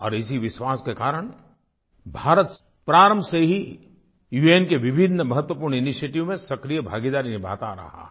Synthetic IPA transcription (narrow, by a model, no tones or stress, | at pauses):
ɔ̰ːɾɪsiʋɪʃʋaːskekaːɾəɽ̃ | bʱaːɾət̪ | pɾaːɾə̃mbʱseɦi | juːeːnkeʋɪbʱɪd̪ʱnəmɐɦət̪wəpuːɾnɪniʃeːʈiʋmẽsɐkɾijəbʱa̰ːɡid̪aːɾinɪbʱa̰ːt̪aɾɐ̰ɦa̰ː